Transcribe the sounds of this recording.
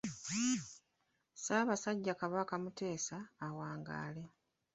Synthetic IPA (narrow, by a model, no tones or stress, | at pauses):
saːβasaɟːakaβakamute̞ːsaːwaːŋɡa̰ːle̞